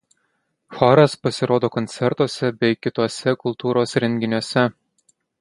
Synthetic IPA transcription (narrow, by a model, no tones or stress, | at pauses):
xɑɾɐspɐsʲɪɾoːd̪oːkont̪sʲɛɾt̪oɔsʲɛbʲɛɪkʲɪt̪oːsʲɛkʊlˠt̪uːɾosɾʲɛŋʲɡʲɪnʲuɔsʲɛ